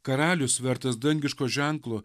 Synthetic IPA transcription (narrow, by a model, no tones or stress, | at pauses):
kɐɾɑːlʲʊsʋʲɛɾt̪ɐsd̪ɐŋʲɡʲɪʃkoːʒʲæˑŋklˠoː